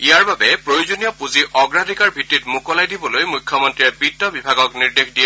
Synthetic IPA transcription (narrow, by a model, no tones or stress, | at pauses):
ijaɹbabɛpɹojozonijɔpuziʔɔɡɹadʱikaɹbʱitːitmukɔlajdibɔlojmujkʰːjɔmɔntɹiɛpitːɔbibʱaɡɔkniɹdexdijɛ